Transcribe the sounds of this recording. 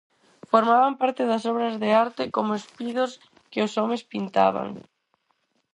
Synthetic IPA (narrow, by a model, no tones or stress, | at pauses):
foɾmaβampaɾt̪ɪðɐsɔβɾɐzðeaɾt̪ɪkomʊespiðʊs | kɪʊsɔmespint̪a̰β̞a̰ŋ